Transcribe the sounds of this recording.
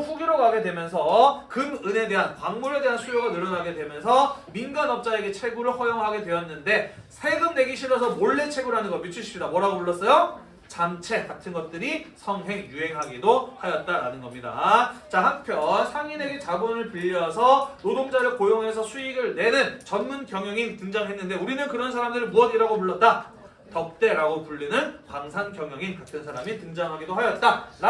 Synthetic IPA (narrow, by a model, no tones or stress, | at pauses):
ɸuɡiɾoɡaɡe̞dwe̞mjʌnsʰʌkɯmɯne̞de̞ɦankwaŋmuɾe̞de̞ɦansʰujoɡanɯɾʌnaɡe̞dwe̞mjʌnsʰʌ | minɡanʌp̚t͡ɕ͈ae̞ɡe̞t͡ɕʰe̞ɡuɾɯɭɸʌjoŋɦaɡe̞dwe̞jʌnːɯnde̞sʰe̞ɡɯmne̞ɡiɕʰiɾʌsʰʌmoɭːet͡ɕʰe̞ɡuɾanɯnɡʌmjut͡ɕʰɯɕʰi̥ɕidamwʌɾaɡopoɭːʌs͈ʌjo | t͡ɕamt͡ɕʰe̞katʰɯnɡʌt̚t͈ɯɾisʰʌŋɦe̞ŋjuɦe̞ŋɦaɡidohajʌt̚t͈aɾanɯnɡʌmɲida̰t͡ɕahanpʰjʌnsʰaŋiɾe̞ɡet͡ɕaɡonɯɭpiʎːiʌsʰʌnodoŋd͡ʑaɾɯɭkojoŋɦe̞sʰʌsʰuiɡɯɭne̞nɯnt͡ɕʌnmunkjʌŋjʌŋintɯŋd͡ʑaŋɦe̞nːɯnde̞uɾinɯnkɯɾʌnsʰaɾamdɯɾɭmuʌɡiɾaɡomuɭːʌt̚t͈a | tʌp̚t͈e̞ɾaɡopuʎːinɯnkwaŋsʰankjʌŋjʌŋinkatʰɯnsʰaɾamitɯŋd͡ʑaŋɦaɡidoɦajʌt̚t͈aɾ